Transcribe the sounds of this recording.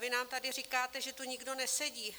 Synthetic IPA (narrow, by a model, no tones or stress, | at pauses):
vɪnaːmt̪adɪr̝ikaːt̪ɛʒɛt̪uɲɪɡdo̞nɛsɛɟiː